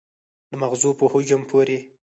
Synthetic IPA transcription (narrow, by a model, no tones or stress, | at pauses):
d̪əmaɣzupəhud͡ʒampʰoɾe